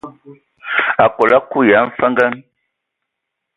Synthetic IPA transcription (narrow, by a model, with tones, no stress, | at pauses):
a˨ko˨la˦ku˦˨ja˨˦n̩˦fə˦ŋɡa˦n